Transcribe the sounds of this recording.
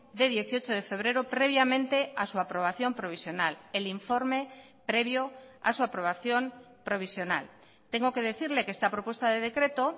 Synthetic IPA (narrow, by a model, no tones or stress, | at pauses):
d̪eð̞jeθjot͡ʃoð̞efe̞β̞ɾeɾopɾeβ̞jamẽnt̪easuapɾoβ̞aθjo̞mpɾoβisjo̞naleliɱfoɾme | pɾeβ̞joa̰suapɾoβ̞aθjo̞m | pɾo̞βisjo̞na̰l | t̪eŋɡoke̞ðeθiɾlekest̪apɾopwest̪aðeðekɾe̞t̪o